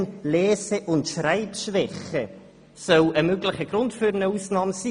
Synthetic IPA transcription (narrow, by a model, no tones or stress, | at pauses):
nlɛːsəʔʊntʃraɪtʃvɛχə | sœləmøɡlɪχəɡ̥ɾʊntfyːɾənəuːsnɑːmsi